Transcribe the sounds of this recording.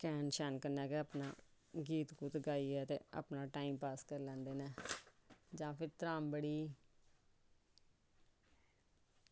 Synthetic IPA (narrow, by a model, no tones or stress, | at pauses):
kɛːnʃɛːnkənɛːkeəːpna̰ː | ɡiːt̪kuːt̪ɡaːiːɛːt̪ḛːa̰pnaːʈaːiːmpaːskəɾlɛ̃ːnd̪eːnɛː | d͡ʒãːpʰɪɾt̪əɾaːmbəɽiː